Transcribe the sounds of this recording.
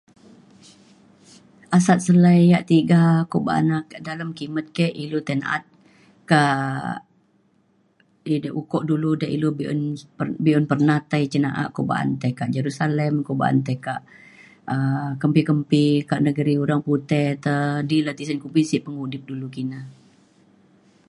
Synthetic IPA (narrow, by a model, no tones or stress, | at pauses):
ʔasat̪̚səlajaʔt̪iɡakoʔba̰a̰nakaʔdaləmkimət̪̚kɛʔilut̪əna̰t̪̚ | kaʔ | idʔukɔʔduludaʔilubḭnəbiɔnpərnat̪ajt͡ʃənaʔa̰ʔkoba̰ʔa̰nt̪akaʔd͡ʒəɾusaləmkoba̰ʔa̰nt̪akaʔ | əkəmpikəmpikaʔnəɡəɾiuɾaŋput̪ɛt̪ədilat̪isankupisiʔpəŋudɪp̚dulukina